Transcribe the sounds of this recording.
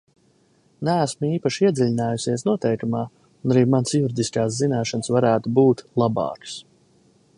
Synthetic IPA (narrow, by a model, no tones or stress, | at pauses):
nææsmiːpaʃiiɛd̪zilʲinaːjusiɛsnuɔt̪ɛjkumaː | unaɾiːmansjuɾid̪ʲiskaːs̬zinaːʃansvaɾæːt̪ubuːt̪lˠabɑ̰ːks